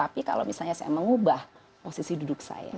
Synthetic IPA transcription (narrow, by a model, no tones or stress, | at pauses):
apika̰lo̰wmisalɲasajaməŋubah | posisidudʊk̚sa̰ja̰